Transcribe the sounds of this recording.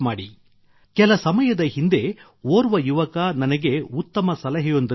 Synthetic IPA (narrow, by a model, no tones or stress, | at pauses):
maːɽḭ | kɛlɐsɐmɐjɐd̪ɐhind̪e̞ | oːɾuʋɐjuʋɐkɐnɐnɐɡe̞ut̪ːɐmɐsɐlɐɦɛjond̪